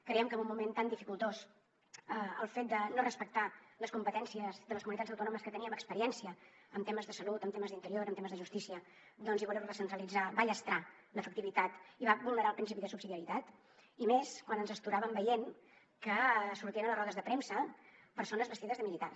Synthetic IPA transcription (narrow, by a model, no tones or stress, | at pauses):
kɾeiəmkəmbumːument̪and̪ifikulˠt̪os | əəlˠfet̪̚d̪ənorəspək̚t̪aləskumpət̪ɛnsiəzðələskumunit̪add͡zəwt̪unoɔməskət̪əniəməkspəɾiɛnsiəː | mt̪eməzðəsəlut̪əmt̪eməzðint̪əɾioɾəmt̪eməzðəʒust̪isiə | d̪ɔnziβulɛwrəsənt̪ɾəlid͡zabaʎəst̪ɾa | ləfək̚t̪iβit̪at̪iβaβulˠnəɾalˠpɾinsipiðəsubsiðiəɾit̪at̪ | imeskwanənzəst̪uɾaβəmbəjen | kəsuɾt̪iənələzrɔðəzðəpɾemsəpəɾsonəzβəst̪iðəzðəmilit̪a̰